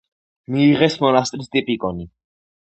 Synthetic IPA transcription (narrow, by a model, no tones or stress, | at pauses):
miːʁɛsmɔnast̪ʼɾist̪ʼipʼikʼɔni